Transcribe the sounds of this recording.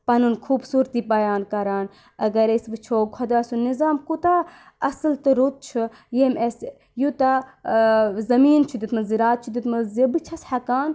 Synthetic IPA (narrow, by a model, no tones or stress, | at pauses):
pɐnunkʰuːbsuːɾt̪iːbɐjaːnkɐɾaːn | ɐɡɐɾɐsbɨt͡ʃʰoːɡʰʱɐd̪aːsunizaːmkut̪a | ɐsɨlt̪ɨɾut̪̚t͡ʃʰu | jemes | jut̪a | zɐmiːnt͡ʃʰud̪ʲit̪mɐziɾaːt̪̚t͡ʃʰud̪ʲit̪mɐzɐbɨt͡ʃʰɐshɐkaːn